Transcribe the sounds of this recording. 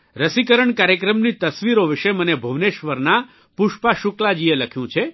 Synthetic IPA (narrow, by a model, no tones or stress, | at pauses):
ɾəsikəɾəɳkaɾjəkɾəmnit̪əsʋiɾoʋɪʃemənebʱəʋneʃʋəɾna | puʃpaʃuklad͡ʒieləkʰjũt͡ʃʰe